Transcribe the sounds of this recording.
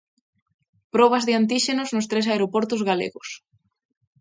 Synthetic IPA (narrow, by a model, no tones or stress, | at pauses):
pɾɔβ̞ɐzðɪant̪̬iʃenʊznʊst̪ɾes̬aeɾopɔɾt̪ʊzɣalḛɣʊs